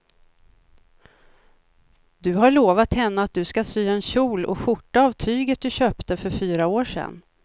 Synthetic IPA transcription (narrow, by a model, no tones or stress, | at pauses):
d̪ɵɦaɭoːvat̪hɛnːəat̪̚d̪ɵskasyːaɛnɕuːlɔ̰ɧʊʈːaaːvt̪ʰyːɡət̪̚d̪ɵɕøːpt̪əfœɾfyːɾaoːʂɛ̰nː